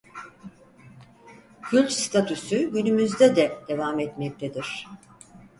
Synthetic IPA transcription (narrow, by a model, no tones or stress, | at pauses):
cʰylʲt̪st̪ʰat̪ʰusyɟynymyzd̪ɛd̪ɛd̪̥e̞vamɛt̪mɛc̚t̪ʰed̪iɾ̝̥